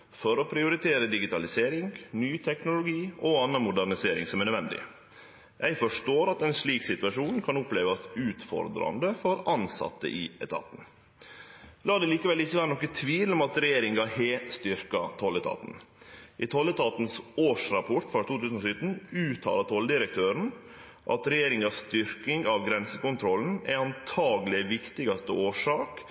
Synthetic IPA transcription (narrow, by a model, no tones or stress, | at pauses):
fɔɾɔpʰɾɪʊɾɪt̪ʰeːɾəd̪ɪɡɪt̪ʰɑlɪseːɾɪŋnyːt̪ʰɛknʊlʊɡiːɔɑnːɑmʊd̪æɾɳɪseːɾɪ̰ŋsɔmɛɾnəœd̪ʋɛnd̪ɪ̰ | jʔæɪfɔʂʈoːɾɑt̪ɛnsɭiːksɪt̪ʉɑʂuːnkʰɑnʊpleːʋɑsʉːt̪fɔ̰ɾd̪ɾɑ̰nd̪əfɔɾɑnsɑ̰t̪ːə̰ʔɪɛ̰t̪ʰɑ̰ːt̪n̩ | lɑːd̪ɛliːkəʋɛlːɪçːəʋæːɾənɔkːət̪ʰʋiːlɔmɑt̪ɾɛjeːɾɪŋɡɑheːt̪st̪ʏɾkɑt̪ʰɔlːɛt̪ʰɑ̰ːt̪n̩ʔɪt̪ʰɔlːɛt̪ʰɑːt̪nsoːʂɾɑpʰɔʈfɾɑt̪ʰuːt̪ʰʉːsnɔsʏt̪n̩ʉːt̪ʰɑ̰ːlɑt̪ʰɔlːəd̪ɪɾək̚t̪ʰøːɾən̩ | ʔɑ̰t̪ɾɛjeːɾɪŋɑsst̪ʏɾkɪŋɑʋɡɾɛnsəkʊnt̪ʰɾɔlːn̩æ̰ɑnt̪ʰɑːɡlɪʋɪkt̪ɪɡɑst̪əʔoːʂɑːk